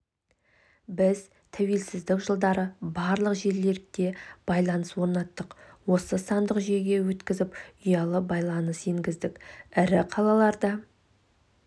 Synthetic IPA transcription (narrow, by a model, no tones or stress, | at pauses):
bɪz | t̪ʰæwe̞lsɪzd̪ɪkʒəlˠd̪ɑɾəbɑɾlˠəqʒe̞ɾle̞ɾt̪e̞b̥ɑjlˠɑnəswo̞ɾnɑt̪ːəqwo̞səsɑnd̪əqʒe̞ɡʲe̞wɵt̪kʲɪzɪpʊjɑlˠəbɑjlˠɑnəse̞ŋɡʲɪzd̪ɪkʲɪɾɪqʰɑlˠɑlˠɑɾd̪ə